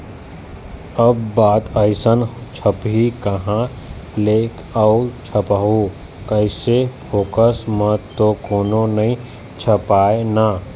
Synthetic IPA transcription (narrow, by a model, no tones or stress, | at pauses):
əbːaːt̪əɪsənt͡ʃʰəpɦikɐɦã | leːkʰ | aːʊt͡ʃʰəpaɦu | kəɪsefʰoːkəsmə̃t̪okoːnonɐɦĩ | t͡ʃʰəpaːena